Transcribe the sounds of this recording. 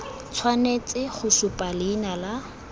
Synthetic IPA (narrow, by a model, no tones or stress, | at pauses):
t͡sʰwanet͡sʼɪχʊsʊpʼalɪːnala